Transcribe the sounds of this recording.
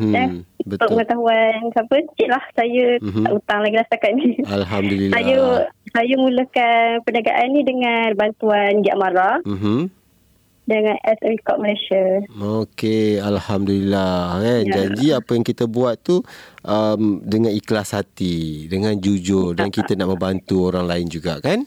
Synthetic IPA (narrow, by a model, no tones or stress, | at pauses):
danunbət̪ʊkməŋət̪aɦuansapəst͡ʃiʔlahsajəɦaʔut̪aŋlaɡilast̪akat̪̚nialɦamdulilajəsajəmuləhkanpənaɡa̰ʔanːĩdəŋanbant̪uanɡiaʔmaɾam̩ɦ̩ | dəŋanʔɛsɛmikɔʔməlesaokealhamdulilahkand͡ʒaɲd͡ʒiapəjaŋkit̪əbuat̪t̪uʔəmdəŋaniklashat̪idəŋãnd͡ʒud͡ʒʊrdankit̪ənaʔmə̃mbant̪uoɾaŋlaɪnd͡ʒuɡa̰ʔkan